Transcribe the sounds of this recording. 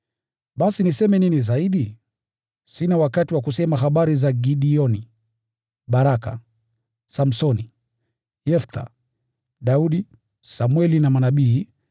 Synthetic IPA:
ɓasinisɛmɛninizaiɗi | sinawakatiwakusɛmaɦaɓaɾizaɡiɗiɔni | ɓaɾaka̰ | sam̩sɔni | jɛft̪ʰa̰ | ɗauɗi | samwɛlinamanaɓiː

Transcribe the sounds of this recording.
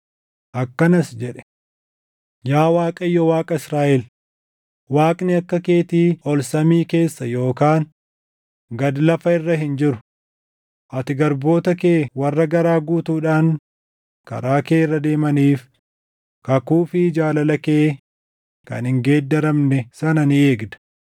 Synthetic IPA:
ʔɐkːɐnɐsd͡ʒɛᶑɛ̥ | jaːwaːkʼɐjɔwaːkʼɐɪsɾaːʔɛl | waːkʼnɪɐkːɐkeːt̪iːɔlsɐmiːke̞ːsːɐjo̞ːkaːn | ɡɐd̪lɐfɐɪrːɐɦɪnd͡ʒɪɾʊ̥ | ʔɐt̪ɪɡɐɾbo̞ːt̪ɐkeːwɐrːɐɡɐɾaːɡuːt̪uːᶑaːŋ | kɐ̰ɾaːkeːrːɐd̪e̞ːmɐniːf | kɐkuːfɪd͡ʒaːlɐlɐkeː | kɐ̰nhɪŋɡe̞ːd̪ːɐɾɐmnɛsɐnɐnɪe̞ːɡd̪ɐ̥

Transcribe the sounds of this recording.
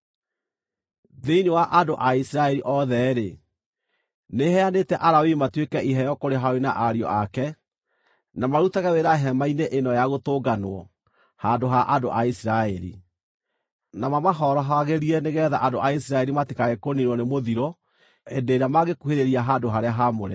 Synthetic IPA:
ðeiniwaʔadoʔaisiɾaɛɾiʔɔðɛɾe | neɦɛanetɛʔaɾawimatwekɛʔiɦɛjɔkoɾeɦaoenaʔaɾiɔ̰akɛ | namaɾutaɣaweɾaɦɛmaineʔenɔjaɣotoːɡanwɔ̰ | handoɦaʔando̰ʔaisiɾaɛɾḭ | namamaɦɔɾɔɦaɣeɾiɛneɣɛːðaʔandoʔaisiɾaɛɾimatikaɣekoniɾwɔnemoðiɾɔ | endeɾamaɣekuheɾeɾiaɦandoɦaɾeaɦamoɾɛ

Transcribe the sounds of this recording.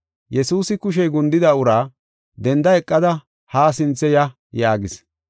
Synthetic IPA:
jɛsuːsɪkʊʃ̬ɛjɡʊnd̪ɪd̪ɐʊɾaː | d̪ɛnd̪ɐɛkʼːɐd̪ɐ | haːsɪnt͡sːɛjɐ | jaːɡɪs

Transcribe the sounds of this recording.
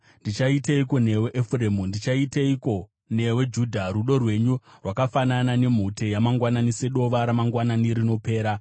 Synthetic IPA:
ndit͡ʃaiteiko̞ne̞weʔefuremundit͡ʃaiteiko̞ | ne̞we̞d͡ʒuːdʱaɾuɗo̞rwe̞ɲurwakafananane̞m̤ute̞jamaŋɡwananise̞ɗo̞ʋaɾamaŋɡwananiɾino̞pe̞ːɾa

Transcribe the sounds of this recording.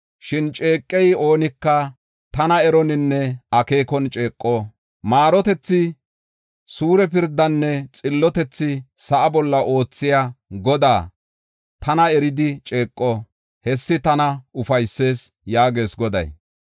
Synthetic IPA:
ʃɪnt͡ʃʼe̞ːkʼːɛjo̞ːnɪkːɐ | t̪ɐnɐɛɾɔnɪnːɛɐke̞ːkɔnt͡ʃʼe̞ːkʼːɔ | maːɾɔt̪ɛt͡sːɪ | suːɾɛpɪɾd̪ːɐnːɛt͡sʼɪlːɔt̪ɛt͡sːɪsɐʔɐbɔlːɐʔo̞ːt͡sːɪjaɡɔd̪a̰ː | t̪ɐnɐɛɾɪd̪ɪt͡ʃʼe̞ːkʼːɔ | hɛsːɪt̪ɐnɐʊfɐjsːe̞ːs | jaːɡe̞ːsɡɔd̪ɐ̰j

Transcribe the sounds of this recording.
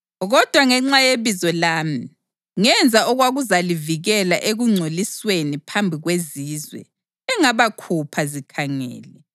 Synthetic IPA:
ɣɔd̥ʱwaŋɛŋ͡ǀajeβizɔlaːmi | ŋɛnd͡zʱaʔɔɣwaɣuzaliviɣɛla̰ʔeɣuŋ͡ǀʱoliswenipʰambʱiɣweziːzwɛ̰ | ɛŋaβakʰupʰazikʰaŋɛ̰ːlɛ

